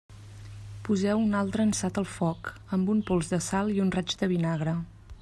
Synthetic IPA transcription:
puzɛwunalˠt̪ɾəːnsat̪əlˠfɔk | əmbumpolˠzðəsalˠiunrad͡ʒd̪əβ̞inaɣ̞ɾə

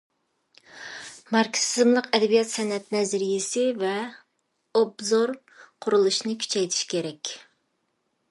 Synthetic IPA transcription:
mɑɾkʲsɪzmlˠəqɛd̪ɛbijɑt̪sɛnɛt̪̚nɛzɪɾijɪsɪvɛ | obzoɾ | qʰʊɾulˠuʃnɨkʲʰy̥t͡ʃʰɛjt̪ʰi̥ʃkʲʰeɾɛkʲ

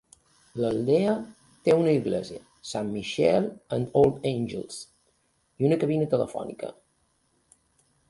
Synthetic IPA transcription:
ləlˠd̪eə | t̪eunəiɣlɛ̰ziə | samːiʃɛlˠənd̪olˠd̪enʲd͡ʒə̰lˠs | iunəkəβinət̪ələ̰fɔ̰nikə̰

